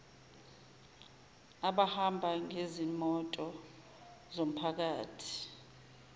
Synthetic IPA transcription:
aɓahambʱaŋezimɔtʼɔ | zom̩pʰak̬aːtʰi̥

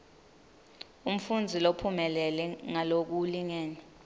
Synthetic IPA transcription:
um̩fund͡zʱilopʰumɛlɛlɛŋalok̬uliŋeːni

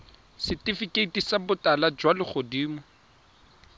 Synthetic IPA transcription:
sɪtʼifikʼeitisabʊtalad͡ʒwalɪχodiːmʊ

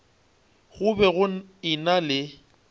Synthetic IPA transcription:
ɣʊbɛɣʊɪnalɪ

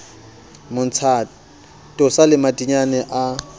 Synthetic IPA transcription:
mʊn̩t͡sʰa | tʼʊsalɪmatʼiɲanɛʔa

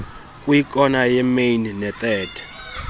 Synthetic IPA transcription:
kʼwjik̬ʼɔnajɛmejnnɛt̪ʼɛːtʰɛ̥

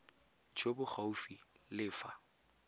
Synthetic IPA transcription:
t͡ʃʰobʊχaufilɪːfa

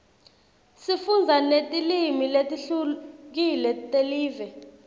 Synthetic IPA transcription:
sifund͡zʱanetʼilimiletʼiɬuk̬ilɛtʼeliːvɛ

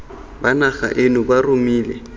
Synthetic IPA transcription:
banaχa̰ʔenʊbarʊmiːlɛ

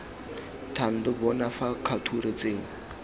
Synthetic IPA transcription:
tʰan̩dɪbɔnafakʰatʰuɾɪt͡seːŋ̩

